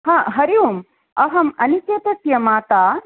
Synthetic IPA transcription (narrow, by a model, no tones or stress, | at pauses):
hãːɦɐɾiʋum | ɐɦɐmɐnit͡ʃeːt̪ɐsjɐmaːt̪aː